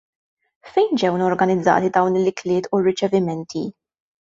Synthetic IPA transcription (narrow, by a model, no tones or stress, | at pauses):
fɛjnd͡ʒɛwnɔɾɡɐnɪd͡zːɐ̰ːt̪id̪ɐwnɪlːɪklɪːt̪urːɪt͡ʃɛvɪmɛnt̪ʰi